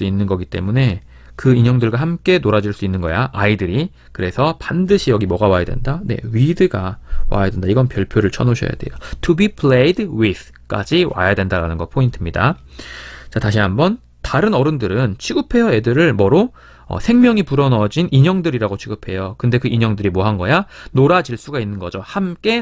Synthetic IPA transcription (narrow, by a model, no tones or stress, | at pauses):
uinːɯnɡʌɡit͈e̞̰mune̞ | kɯiɲʌŋdɯɭɡwahamk͈e̞noɾad͡ʑiɭs͈uinːɯnɡʌjaʔaidɯɾi | kɯɾe̞sʰʌpandɯɕʰijʌɡimʌɡawajadwe̞̰ndane̞̰ɥidɯɡawa̰jadwe̞ndaiɡʌnpjʌɭpʰjoɾɯɭt͡ɕʰʌnoɕʰʌ̰ja̰de̞̰jotʰubipʰɭejdwiθ | k͈a̰d͡ʑiwa̰jadwe̞ndaɾanɯnɡʌpʰointʰɯmɲida | t͡ɕataɕʰiɦambʌn | taɾɯnʌɾɯndɯɾɯnt͡ɕʰiɡɯpʰe̞jʌe̞dɯɾɯɭmʌɾo | ʌ̰sʰe̞ŋmjʌŋipuɾʌnʌd͡ʑinʔiɲʌŋdɯɾiɾaɡot͡ɕʰiɡɯpʰe̞jokɯnde̞kɯʔiɲʌŋdɯɾimoɦanɡʌjanoɾad͡ʑiɭs͈uɡainːɯnɡʌd͡ʑohamk͈e̞